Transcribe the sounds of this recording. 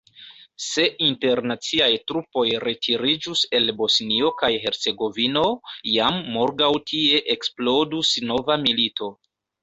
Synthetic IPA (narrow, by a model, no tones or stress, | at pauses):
se̞ʔinte̞ɾnat͡siajtɾupo̞jɾe̞tʰiɾid͡ʒuse̞lbo̞snio̞kajɦe̞ɾt͡se̞ɡo̞vino̞jamːoɾɡawtʰie̞ʔeksplo̞dusno̞vamilito̞